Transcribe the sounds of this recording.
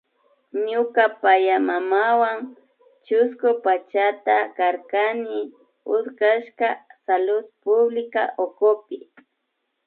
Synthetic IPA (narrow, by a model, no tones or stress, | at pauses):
ɲʊkapajamamawaŋ | t͡ʃʊskʊpat͡ʃat̪akaɾkanɪ | ʊd̪kaʃkasalʊd̪pʊblɪka̰ʔokʊpɪ